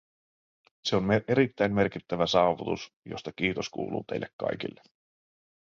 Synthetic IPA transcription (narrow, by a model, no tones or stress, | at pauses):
se̞o̞nmeʔe̞ɾit̪ːæjmme̞rkit̪ːæʋæsɑːʋut̪us | jo̞̰st̪ɑk̟iːt̪o̞skṵːlṵːt̪e̞jlːekːɑ̰jk̟ḭlːe